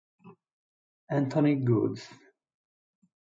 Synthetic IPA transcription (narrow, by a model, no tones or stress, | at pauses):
æ̃nt̪ʰɔniɡud̪z̥